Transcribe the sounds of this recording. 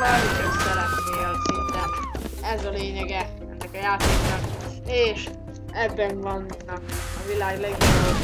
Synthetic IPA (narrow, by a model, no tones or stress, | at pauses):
hɒnik̪øsɛlɛt̪neːlsint̪ɛnɛzɒleːɲɛɡɛ | ɛ̰nːɛkɒjaːt̪eːknɒkeːʃ | ɛbːɛɱvɒnːɒkɒvilaːɡlɛɡojo